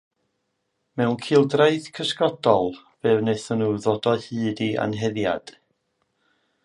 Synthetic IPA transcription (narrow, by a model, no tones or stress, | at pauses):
mɛwnkʰɪlˠdraɨθkʰəskɔdɔlˠ | v̥eːvneθənuːðodɔhɨːdia̰nɦɛðja̰d̥